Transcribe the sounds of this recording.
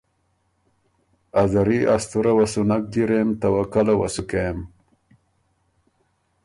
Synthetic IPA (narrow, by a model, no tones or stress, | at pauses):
azaɾiʔast̪uɾawasunak̚d̪iɾemt̪awakalawasukem